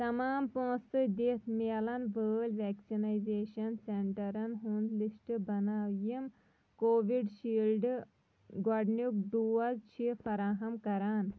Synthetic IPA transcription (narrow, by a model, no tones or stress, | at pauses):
t̪ɐmaːmpõːsɨd̪et̪ʰmeːlɐnbəːlʋɛːksinajzeːʃɐnseɳʈɐɾɐnɦuːnd̪lisʈbɐnaːjim | koːʋiɖʃiːlɖ | ɡɔɖnuk̚ɖ̪uːɐzt͡ʃʰifɐɾaːɦɐmkɐɾaːn